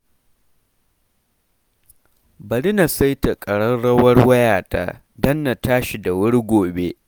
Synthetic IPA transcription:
bɐ˨ɽɪ˦na˨sɐ˦jta˨kʼɐ˨ɽɐ˦nɽɐ˦wɐ˦rwɐ˦jaː˨ta̰ː˦ | dɐ˦nːa˨taː˦ʃi˨da˨wʊ˦ɽɡʷoː˨be˦ʔ

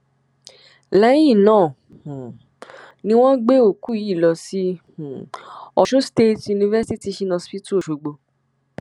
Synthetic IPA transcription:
la˨˦jĩ˦˨nãː˦˨ | nĩ˦w̃ɔ̃˦ɡ͡be˦o˦˨ku˨˦˨i˦˨lɔ˧sĩ˦˨ | ɔ˧ʃũ˦ste˦tju˧nĩ˧vɛ˦si˦ti˧˦ʃi˧nã˧spi˦tu˦o˦˨ʃo˨ɡ͡bo˧

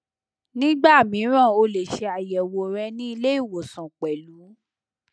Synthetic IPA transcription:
nĩ˦ɡ͡ba˦˨mĩ˨˦ɾ̃ã˦˨o˧le˨ʃe˧a˨jɛ˨wo˨ɾɛ˧nĩ˦i˧le˦i˦˨wo˨sã˨k͡pɛ˨lu˨˦

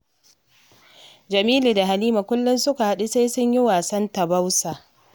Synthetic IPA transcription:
d͡ʒɐ˨miː˦li˨da˨ɦa˨niː˦ma˨kʷʊ˦lːʊ˦nsʊ˦ka˨ha˦ɗu˦se˦jsʊ˦ɲjɪ˦waː˨sɐ˦nta˨ba˦wsaː˨ʔ

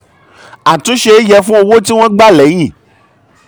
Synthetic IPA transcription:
a˨tũ˨˦ʃe˧˦jɛ˧fũ˦o˧wo˦ti˦w̃ɔ̃˦ɡ͡ba˦˨lɛ˨˦j̃ĩ˦˨

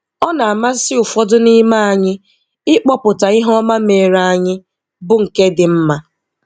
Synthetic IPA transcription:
ɔ˦na˨a˨ma˦sɪ˦ʊ˨fɔ˦dʊ˦ni˦ma˦a˨ɲɪ˦ | ɪ˦k͡pɔ˦pʊ˨ta˨ɪ˦ɦɔ˦ma˦me˨ɾa˦˨ɲɪ˦ | bʊ˦ŋ̩˨ke˦dɪ˨m̩˦ma˦

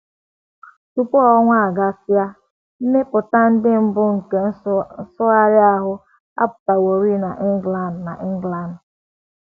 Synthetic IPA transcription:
tu˨pɔ˦ɔ˦ŋʷa˦a˨ɡa˦sja˦ | m̩˦me˦pʊ˨ta˦n̩˦dɪ˦m̩˦bʊ˦ŋ̩˨ke˨n̩˦sʊ˦a˦ɾɪ˦a˦ɦʊ˦ | a̰˦pʊ̥˨ta˨wo˨ɾi˦na˨ʔɡla˦n̩˨na˨ʔɡla˦n̩˨

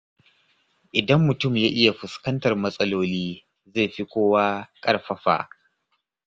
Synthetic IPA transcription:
ʔɪ˨dɐ˦mːʊ˨tʊ˦˨mjaː˦ʔɪ˦ja˨ɸʊ˨skɐ˦ntɐ˨rmɐ˦sʼɐ˦loː˦liː˦ | ze˦˨ɸi˦kʷoː˦waː˦kʼɐ˦rɸɐ˦ɸa̰ː˨

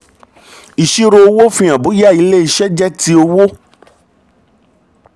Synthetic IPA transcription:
i˨ʃi˦ɾo˧o˧wo˦fĩ˧˦ã˨bu˨˦ja˦˨i˨˧˦le˦i˧ʃɛ˦d͡ʒɛ˦ti˧o˧wo˦

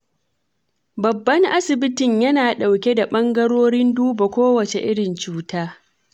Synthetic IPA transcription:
bɐ˨bːɐ˦ŋʔa˦sɪ˨bɪ˦tɪ˨ɲjɐ˦naː˨ɗa˨wkʲe˦da˨ɓɐ˦ŋɡɐ˦ɽoː˦ɽɪ˦nduː˦ba˨kʷoː˦wɐ˨t͡ʃe˨ʔɪ˦ɽɪ˨nt͡ʃuː˦taː˦

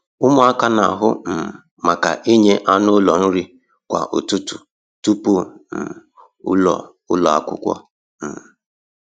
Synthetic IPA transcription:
ʊ˦mʊ˦a˦ka˦na˨ɦʊ˦m̩˨ | ma˨ka̰˨ʔi˦ɲe˦ʔa˦nʊ˦lɔ˨n̩˦ɾi˦ | kʷa̰˨ʔʊ˨tʊ˦tu˨ | tu˦po˦m̩˨˦ | ɔ̰˨ | ʊ˦lɔ˨a̰˨kʷʊ̰˦kʷɔ̰˦ | m̩˨

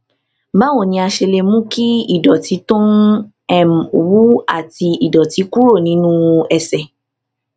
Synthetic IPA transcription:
mã˨˦wo˦˨nĩ˧a˧ʃe˧le˧mũ˦ki˦i˦˨dɔ˨ti˨˦tõ˦ | ɛ˦m˨wu˦a̰˦˨ti˧i˨dɔ˨ti˨˦ku˦ɾo˦˨nĩ˨˦nũ˦ɛ˧sɛ˨

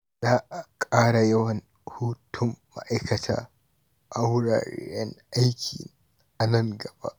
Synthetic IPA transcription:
zaː˦ʔa˨kʼaː˦ɽa˨jɐ˦wɐ˨n | huː˦tʰʊ˦mːa̰˦ʔa˦jkɐ˨tʰa̰ː˦ | ʔa˦wɽa̰ː˨ɾɛ˦ŋʔa˦jkʲʰḭː˨ | ʔa˨nɐ˦˨ŋɡɐ˨ba̰˦ʔ

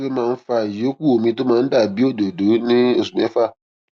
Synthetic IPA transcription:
ke˦mãː˦˧n̩˦fa˧˨jo˨˦ku˦˨o˨mĩ˧to˦mãː˧n̩˦da˦˨bi˦o˦˨do˨do˨˦nĩ˦o˦˨su˨mɛ̃˨˦fa˦˨

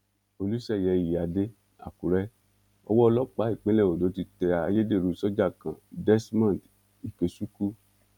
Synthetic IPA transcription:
o˧lu˦ʃɛ˦˨jɛ˧˨ji˨a˨˧de˦ | a̰˨ku˨ɾɛ˧˦ | ɔ̰˧wɔ˦ɔ˧lɔ˦k͡pa˨˦i˦˨k͡pẽ˨˦lɛ˦˨o˨do˨˦ti˧tɛ˧a˧je˦de˦˨ɾũ˨˧˦sɔ˦d͡ʒa˦˨kã˨dɛ˦smã˦˨d | i˨ke˨su˦ku˦

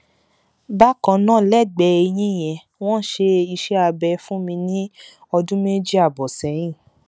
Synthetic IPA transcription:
ba˦kã˧˨nãː˦˨lɛ˦˨ɡ͡bɛ˨˧e˧j̃ĩ˦˨j̃ɛ̃˨ | w̃ɔ̃˦ʃe˧i˧ʃɛ˦a˧bɛ˧fũ˦mĩ˧nĩ˦ | ɔ˧dũ˦me˦d͡ʒi˦a˦˨bɔ˨sɛ̃˨˦j̃ĩ˦˨

